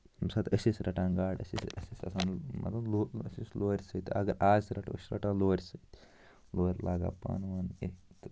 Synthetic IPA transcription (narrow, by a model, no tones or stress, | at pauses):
msaːt̪ɐsʲisɾɐʈãːnɡaːɽɐ̰sḭsɐsʲisʲɐ̰saːnmɐ̰t̪ɐloɐsisloːɾʲsət̪ɐɡɐɾaːzɾɐʈə̰sɾɐ̰ʈãloːɾʲsɐt̪ | loːɾʲlaːɡa̰ːpa̰nʋanet̪